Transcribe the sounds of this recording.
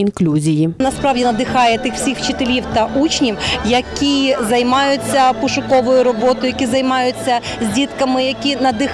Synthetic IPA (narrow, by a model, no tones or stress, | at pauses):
inklʲuzʲijinɐspɾɑwdʲinɐd̪ɪxɑjɛt̪ɪxw̥sʲixwt͡ʃɪt̪elʲiwt̪ɐʔut͡ʃnʲiwjɐkʲizɐjmɑjʊt͡sʲːɐpʊʃʊkɔʋɔjʊɾɔbɔt̪ɔjʊjɐkʲizɐjmɑjʊt͡sʲːɐ | zʲdʲit̪kɐmɪjɐkʲinɐd̪ɪx